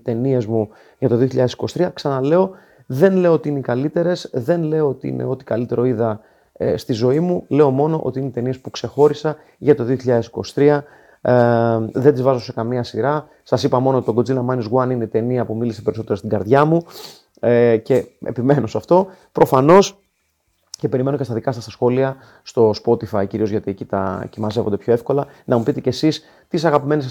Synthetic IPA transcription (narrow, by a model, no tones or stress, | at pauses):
it̪e̞nie̞zmu | ʝɐt̪o̞ðio̞çiʎɐðesiko̞si̥t̪ɾiɐksɐnɐle̞o̞ | ðenle̞oot̪iineikɐlit̪e̞ɾe̞sðe̞nle̞oot̪iḭnʔḛo̞t̪i̥kɐlit̪e̞ɾo̞iðɐ | st̪izo̞imule̞o̞mo̞no̞ʔo̞̰t̪iineit̪e̞nie̞spukse̞xo̞ɾisɐ | ʝɐt̪o̞ðio̞çiʎɐðe̞siko̞si̥t̪ɾiɐ | ðed̪izvɐzo̞se̞kɐmiɐsiɾɐ | sɐsipɐmo̞not̪it̪oɡo̞d͡zilɐmɐnizɣwɐnineit̪e̞niɐpumilise̞pe̞ɾiso̞t̪e̞ɾost̪iɡɐɾðʝɐmu | ce̞ḛpime̞no̞sɐft̪o̞ | pɾo̞fɐno̞s | ce̞pe̞ɾime̞no̞cet̪ɐðikɐsɐst̪ɐsxo̞liɐ | st̪o̞spo̞t̪ifɐiciɾio̞zʝɐt̪ie̞cit̪ɐ̰cimɐze̞vond̪epço̞e̞fko̞lɐnɐmupit̪e̞ce̞sis | t̪is̬ɐɣɐpime̞nis